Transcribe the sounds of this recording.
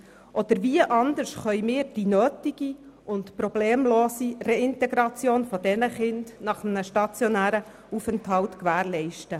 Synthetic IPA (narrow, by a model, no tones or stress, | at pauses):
ʔɔd̥̪əɾviəʔɑnd̪əɾʃχœjmɪːɾd̥inøːtiɡ̥i | ʊntprɔbleːmloːsireɪnt̪ɛɡɾɑt͡sjoːnfɔdɛnəχɪnd̥nɑχəm̩nəʃtɑt͡sjonæːɾə | ufɛnthɑltkʋæːɾlɛɪʃtə